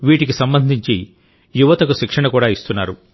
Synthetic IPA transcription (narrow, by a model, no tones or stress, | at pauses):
ʋiːʈikisɐmbɐnd̪ʱiɲt͡ʃi | juʋɐt̪ɐkuʃikʂɐɳɐkuːɽaːist̪unːaːɾu